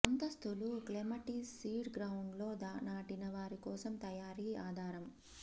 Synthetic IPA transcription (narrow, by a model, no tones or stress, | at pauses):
ɐnt̪ɐst̪uluklemɐʈisiːɖɡɾɐwuɳɖlo̞ːd̪aːnaːʈinɐʋaːɾikɔːsɐmt̪ɐjaːɾiːaːd̪ʱaːɾɐm